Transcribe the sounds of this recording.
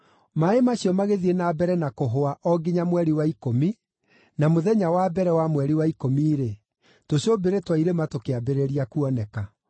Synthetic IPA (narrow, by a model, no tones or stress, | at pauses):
maemaɕiɔmaɣeðienabɛɾɛnakoɦoaʔɔɡiɲamwɛɾiwaikomi | namoðɛɲawabɛɾɛwamwɛɾiwaikomiːɾe | toɕobeɾetwaiɾematokeabeɾeɾiakuɔnɛka